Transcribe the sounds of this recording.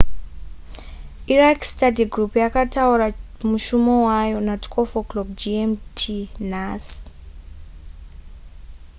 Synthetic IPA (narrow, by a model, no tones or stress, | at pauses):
irakstadiɡrupjakatauɾa | muʃumowajo̞natkʰofokloɡd͡ʒiemtʰinasi̥